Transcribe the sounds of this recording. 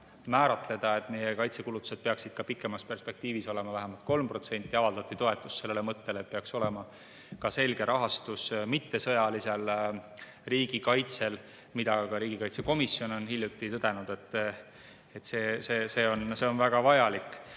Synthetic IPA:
mæːɾɑt̪le̞d̪̥ɑe̞t̪ːˑnejekɑjt̪se̞kulut̪ːu̥se̞d̪̚peɑksid̪̥̚kɑpikːˑe̞mɑspe̞rspe̞k̚t̪iːviso̞le̞mɑvæɦæmɑlt̪̚ko̞lmpro̞t̪se̞nʲt̪ːˑiɑvɑld̪ɑt̪ːˑit̪o̞e̞t̪ːˑusse̞lːelemɤt̪ːe̞let̪̚peɑkso̞le̞mɑ | kɑse̞lɡ̥e̞ɾʔɑɦɑst̪usmit̪ːe̞sɤjɑlise̞l | riːɡ̥ikɑjt̪se̞l | mid̪̥ɑkɑɾiːɡ̥ikɑjt̪seko̞misjo̞no̞nhilʲjut̪ːˑit̪ɤd̪̥e̞nud̪̥e̞t̪ːˑ | et̪ːse̞ːse̞ːse̞ːo̞nse̞o̞nvæɡ̥ɑvɑjɑlikˑː

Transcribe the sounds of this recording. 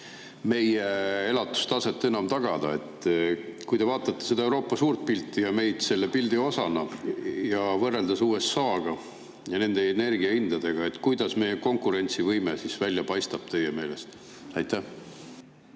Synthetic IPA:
me̞jee̞lɑt̪ːˑu̥st̪ɑse̞t̪ˑːe̞nɑmt̪ɑɡ̥ɑd̪̥ɑe̞t̪ˑːkujd̪e̞vɑːt̪ːˑɑt̪ːese̞d̪ɑewɾo̞ːpːˑɑsuːrt̪̚pilt̪ːˑijɑme̞jd̪̥se̞lːepild̪io̞sɑnɑjɑvɤrːeld̪̥ɑsuːe̞sːɑːɡ̥ɑ | jɑne̞nd̪e̞ːne̞rɡiɑind̪̥ɑd̪e̞ɡ̥ɑe̞t̪ːˑkujd̪̥ɑsme̞jeko̞ŋkuɾe̞nʲt̪sivɤjmesisvælʲjɑpɑjst̪ɑb̥t̪e̞jːeme̞ːle̞st̪ | ɑjt̪ːˑæ

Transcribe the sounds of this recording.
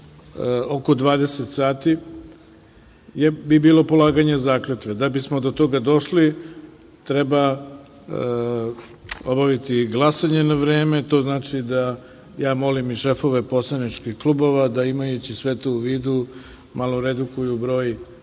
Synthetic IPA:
oko̞d̪ʋaːd̪eset̪saːt̪i | jebibiːlˠo̞po̞laːɡaɲezaːklet̪ʋed̪abismod̪ot̪o̞ɡad̪o̞ʃli | t̪ɾeba | o̞baʋit̪iɡlˠasaɲe̞naʋɾeːme̞t̪o̞ːznaːt͡ʃid̪a | jaːmo̞limiʃe̞fo̞ʋe̞po̞slanit͡ʃkixklˠubo̞ʋad̪aimajut͡ɕisʋet̪oːʋiːd̪u | malˠoɾed̪ukujubɾo̞ːj

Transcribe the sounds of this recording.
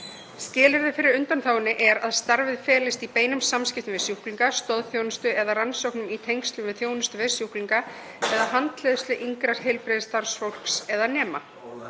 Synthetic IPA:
scɪːlɪɾðɪfɪɾɪɾʏnt̪anθawɪnːɪʔɛɾaðst̪aɾvɪðfɛːlɪst̪ipeːjnʏmsamscɪft̪ʏvɛsjuhkliŋkast̪ɔðθjownɪst̪ʏʔɛðaransowknʏmit̪ʰejŋst̪lʏmvɪðθjoːwnɪst̪ʏvɛsjuhkliŋka | ɛðaɦant̪leːðʏst̪lʏʔiŋkɾaɾ̥ɦejlpɾɪðst̪aɾ̥sfowl̥ksɛðanɛːma

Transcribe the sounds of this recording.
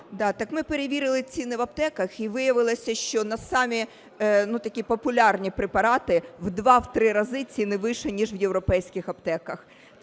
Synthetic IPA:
d̪ɑt̪ɐkmɪpeɾeʋʲiɾɪlˠɪt͡sʲinɪʋɐbt̪ɛkɐxiʋɪjɐʋɪlˠɪsʲɐʃt͡ʃɔnɐsɑmʲi | nut̪ɐkʲipɔpʊlʲɑrnʲipɾepɐɾɑt̪ɪwd̪ʋɑwt̪ɾɪɾɐzɪt͡sʲinɪʋɪʃɛnʲiʒʋjeʋɾɔpɛjsʲkɪxɐbt̪ɛkɐx

